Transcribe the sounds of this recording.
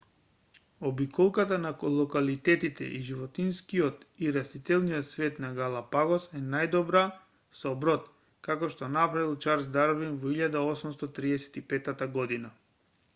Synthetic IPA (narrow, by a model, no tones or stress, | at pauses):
ɔbikɔlˠkat̪anaklˠɔkalit̪ɛt̪it̪ɛ̰ʔiʒivɔt̪inskiɔt̪iɾast̪it̪ɛlˠnijɔt̪svɛt̪naɡalˠapaɡɔsɛnajd̪ɔbɾa | sɔbɾɔt̪ | kakɔʃt̪ɔnapɾavilˠt͡ʃaɾzd̪aɾvinvɔiʎad̪aɔsumst̪ɔt̪ɾiɛsɛ̥t̪ipɛt̪at̪aɡɔd̪ina